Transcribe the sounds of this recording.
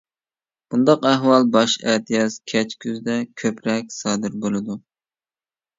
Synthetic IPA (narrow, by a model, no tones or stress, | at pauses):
b̥und̪ɑqæɦwɑlˠbɑʃɛ̰t̪ʰɨjɑskʲʰɛt͡ʃkʲʰyzd̪ɛkʲʰøpɾɛk̚ʲsɑːd̪ɨɾbolˠɨd̪u